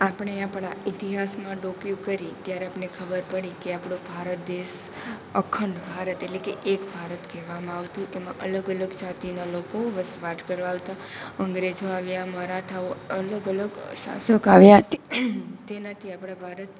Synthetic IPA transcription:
apəɳ̃eapɭait̪iɦasmãɖokjukəɾit̪jaɾeapɳekʰəbəɾpəɽikeapɽ̃obʱaɾət̪̚d̪eʃ | əkʰəɳɖbʱaɾət̪eʈlekeʔekbʱaɾət̪kɛʋamãaʋt̪ũʔemãʔələɡələɡd͡ʒat̪inalokoʋəsʋaʈkəɾʋaːʋt̪a | əŋɡɾed͡ʒoaʋjaməɾaʈʰaoələɡələɡʃã̰səkaʋjat̪t̪enat̪ʰiapɽ̃abʱaɾət̪

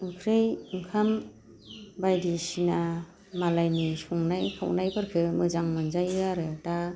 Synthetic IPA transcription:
ɯŋkʰɾɯjɯŋkʰam | bajdisina | malajnisɔŋnajpʰawnajbɯɾkʰɯmɯzaŋmɯnzajɯaɾɯta

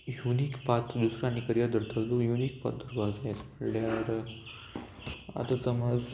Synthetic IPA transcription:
junikpat̪d̪usɾaːñikəɾjad̪əɾt̪ʰəllujunikpa̰t̪̚d̪əɾbaɡd͡zajet͡sməɽljaɾ | a̰t̪at͡səmad͡z

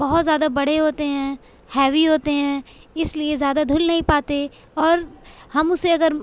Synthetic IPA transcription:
bɐɦʊt̪zjaːd̪abɐɽeɦoːt̪eɦɛ̃ | hɛːʋiɦoːt̪eɦɛ̃ːɪsliezjaːd̪ad̪ʱʊlnɐɦĩpaːt̪e | ɔːɾhɐmʊseɐɡəɾ

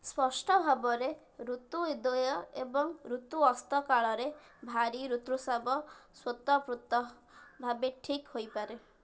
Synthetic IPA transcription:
spɔsʈɔbʱabɔɾe | ɾut̪uid̪ɔjɔebɔŋɾut̪uɔst̪ɔkaɭɔɾe | bʱaɾiɾut̪ɾusabɔswot̪ɔpɾut̪ɔ | bʱabeʈʰikhojpaɾe

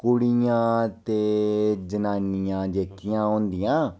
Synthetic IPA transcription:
kʊɽijãːt̪eːd͡ʒənaːnijãːd͡ʒeːkːijãːõːnd̪ijãː

